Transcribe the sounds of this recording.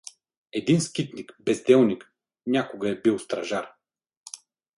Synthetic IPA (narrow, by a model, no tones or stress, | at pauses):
ɛd̪inskit̪nikbɛzd̪ɛlˠnik | nʲakʊɡəɛbilˠst̪ɾɐʒaɾ